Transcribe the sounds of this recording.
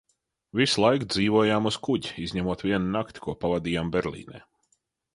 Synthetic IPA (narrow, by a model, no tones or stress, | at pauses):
vislˠajkd̪ziːvuɔjaːmuskuɟiizʲɲɛmuɔt̪vʲiɛnnakt̪ʲkuɔpavad̪iːjaːmbʲɛɾlʲˠḭːnɛ̰ː